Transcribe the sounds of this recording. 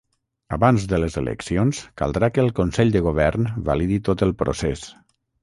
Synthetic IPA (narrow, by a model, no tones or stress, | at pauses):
əβanzðələzə̰lʔə̰ksionska̰lˠd̪ɾakəːlˠkonsɛʎd̪əɣ̞oβ̞ɛɾnβa̰liðit̪ot̪əlˠpɾʔo̰ses